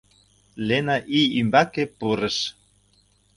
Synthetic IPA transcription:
lenɑʔiymbɑkepurə̆ʃ

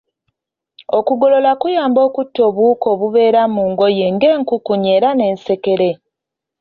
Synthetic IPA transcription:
o̞kuɡo̞lo̞lakujaːmbo̞ːkutːo̞ːβuːko̞ːβuβe̞ːɾamuːŋɡo̞je̞ŋɡe̞ːŋkukuɲe̞ːɾane̞ːnse̞ke̞ɾe̞

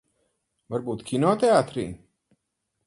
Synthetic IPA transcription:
vaɾbuːt̪kʲʰinɔːt̪eaːt̪ɾiː

